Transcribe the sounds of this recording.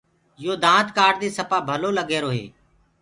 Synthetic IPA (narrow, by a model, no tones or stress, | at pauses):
joːd̪ãːt̪kaːɖd̪eːsəpaːbʱəloːləɡeːɾoːɦḛː